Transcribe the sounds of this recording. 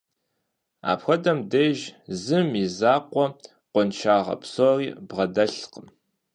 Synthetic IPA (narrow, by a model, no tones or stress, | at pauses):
a̰ːpxʷɐdɐmdɐʒzɨmizaːqʷɔ | qʷɔnt͡ʃʰaːʁɐ̰pʰsoːriːbʁɐdɐɬqəm